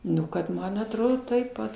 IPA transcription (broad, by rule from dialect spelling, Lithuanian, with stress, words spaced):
ˈnʊ kɐt ˈmɐn ɐtˈroːdoː tɐɪp ˈpɐt